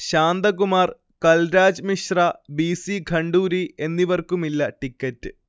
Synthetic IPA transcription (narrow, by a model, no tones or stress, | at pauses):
ɕaːnd̪ɐkumaːr | kɐlɾaːd͡ʑmiʂrɐbiːsiɡʱɐɳɖuːɾie̞nːiʋɐrkumilːɐʈikʲːɐtːɨ